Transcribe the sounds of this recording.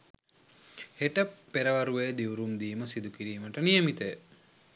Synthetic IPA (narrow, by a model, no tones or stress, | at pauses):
heʈəpeɾəʋɐɾuʋeːd̪iʋuɾumd̪iːməsid̪ukiɾiːməʈənijəmit̪əjə